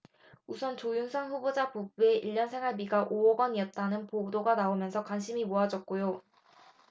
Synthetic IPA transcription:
usʰʌnt͡ɕojuŋsʰʌŋɸubod͡ʑapubue̞ʔiʎːʌnsʰeŋɦaɭbiɡaʔoʌɡʌɲiʌt̚t͈anɯnpodoɡanaomjʌnsʰʌkwanɕʰimimoad͡ʑʌt̚k͈ojo

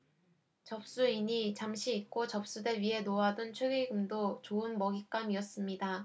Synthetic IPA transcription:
t͡ɕʌp̚s͈uiɲit͡ɕamɕʰiːk̚k͈ot͡ɕʌp̚s͈udeɭɥiɦe̞noadont͡ɕʰweɡiɡɯmdot͡ɕoɯnmʌɡik͈amiʌs͈ɯmɲida

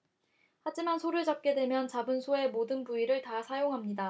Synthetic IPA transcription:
had͡ʑimansʰoɾɯɭd͡ʑap̚k͈e̞dwe̞mjʌnt͡ɕabɯnsʰoe̞modɯnpuiɾɯɭtasʰajoŋɦamɲida

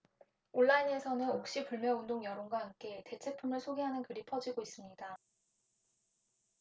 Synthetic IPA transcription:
oɭːaine̞sʰʌnɯnokɕ͈ipuɭmjʌundoŋjʌɾoŋɡwaɦamk͈e̞te̞t͡ɕʰe̞pʰumɯɭsʰoɡeɦanɯnkɯɾipʰʌd͡ʑiɡois͈ɯmɲida

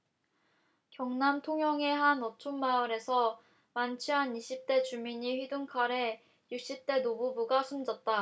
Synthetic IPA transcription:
kjʌŋnamtʰoŋjʌŋe̞ɦanɔt͡ɕʰoŋmaɯɾe̞sʰʌ | mant͡ɕʰiɦaniɕʰip̚t͈e̞t͡ɕumiɲiɸɥiduŋkʰaɾe̞ | juk̚ɕ͈ip̚t͈e̞nobubuɡasʰund͡ʑʌt̚t͈a

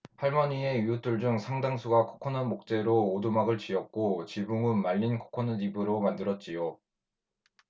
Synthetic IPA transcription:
haɭmʌɲie̞jut͈uɭd͡ʑuŋsʰaŋdaŋsʰuɡakʰo̥kʰʌnanmok̚t͡ɕ͈e̞ɾoːdumaɡɯɭt͡ɕiʌk̚k͈ot͡ɕibuŋɯnmaʎːinkʰo̥kʰʌnanibɯɾomandɯɾʌt̚t͡ɕ͈ijo

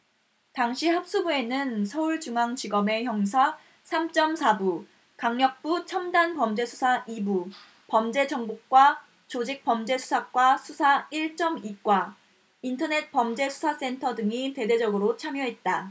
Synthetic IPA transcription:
taŋɕʰihap̚s͈ubue̞nɯnsʰʌuɭt͡ɕuŋaŋt͡ɕiɡʌme̞çjʌŋsʰa | sʰamt͡ɕ͈ʌmsʰabu | kaŋɲʌk̚p͈ut͡ɕʰʌmdanpʌmd͡ʑe̞sʰu̥sʰaʔibu | pʌmd͡ʑe̞d͡ʑʌŋbuk̚k͈wa | t͡ɕod͡ʑik̚p͈ʌmd͡ʑe̞sʰu̥sʰak̚k͈wasʰusʰaiɭt͡ɕ͈ʌmik͈wa | intʰʌne̞t̚pʌmd͡ʑe̞sʰu̥sʰas͈e̞ntʰʌdɯŋite̞de̞d͡ʑʌɡɯɾot͡ɕʰamjʌɦet̚t͈a

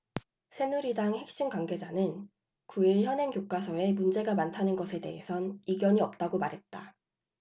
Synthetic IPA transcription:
sʰe̞nuɾidaŋhe̞k̚ɕ͈inkwaŋɡe̞d͡ʑanɯn | kuiɭçjʌnenkjok͈asʰʌe̞mund͡ʑe̞ɡamantʰanɯnɡʌsʰe̞de̞̰ɦe̞sʰʌniɡjʌɲiʌp̚t͈aɡomaɾɦe̞t̚t͈a

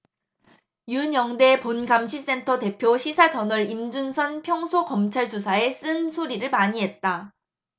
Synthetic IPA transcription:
juɲʌŋde̞ponɡamɕʰis͈e̞ntʰʌte̞pʰjoɕʰisʰad͡ʑʌnʌɾimd͡ʑunsʰʌnpʰjʌŋsʰokʌmt͡ɕʰaɭd͡ʑosʰae̞s͈ɯnsʰoɾiɾɯɭmaɲiɦe̞t̚t͈a

